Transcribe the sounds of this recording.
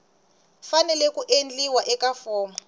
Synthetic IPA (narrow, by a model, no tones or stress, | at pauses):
fanɛlɛkuʔend͡ɮiwaʔɛkafɔːma